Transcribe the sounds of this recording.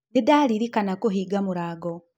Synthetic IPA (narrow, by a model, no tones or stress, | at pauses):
nedaːliɾikanakoɦiɡamuɾaːɡo